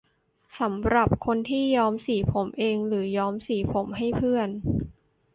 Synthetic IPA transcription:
sa˩˦mɾa˨˩p̚kʰo˧nt̪ʰiː˥˩jɔː˦˥msiː˩˦pʰo˩˦mʔeː˧ŋɾɯː˩˦jɔː˧˥msiː˩˦pʰo˩˦mɦa˥˩jpʰɯ˥˩ən

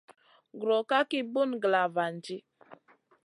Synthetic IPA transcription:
ɡɾɔ˨ka˦ki˦bu˦nɡla˨va˨n̩˨d͡ʒi˦

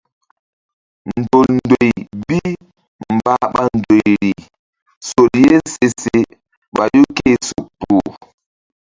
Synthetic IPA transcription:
n̩˨do˨ln˦do˨jbi˦ | m̩˨ba˦ɓa˦n̩˨do˨jɾi˨ | so˨lje˦n˦se˨se˨ | ɓa˨ju˦ke˦˨su˨pːu˨

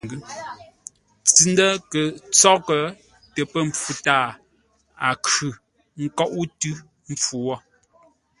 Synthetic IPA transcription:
ɡ | t͡si˨n˦də˦kə˨t͡sɔ˦kə˨ | tɛ˨pə˦˨ɱ˨fu˦taː˦˨ | a̰˨kʉ˨ | ŋ̩˦kɔ˦ʔu˦tʉ˦ | m̩˦p͡fu˨wɔ˦

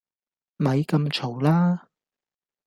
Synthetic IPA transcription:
mɐ˨˧jkɐ˧mt͡ʃʰo˨˩wlaː˥

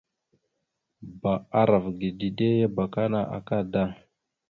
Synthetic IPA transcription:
ba˨a˦ɾa˨vɡi˨di˨de˦je˦ba˨ka˦na˨ʔa̰˨ka˦˨da˦˨

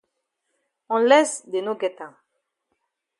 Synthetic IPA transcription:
ɔ̃lɛ˦sd̪e˨no˦ɡɛ˨t̪ɛ̃˨

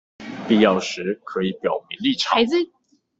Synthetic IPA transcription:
pi˥˧jɑ˥˩ʊʂɻ̩˨˧˥kʰɤ˧˦i˨˩˦pjɑ˨˩ʊmi˧˥ŋli˥˩ʈ͡ʂʰɑ˨˥ɪd͡z̩˧

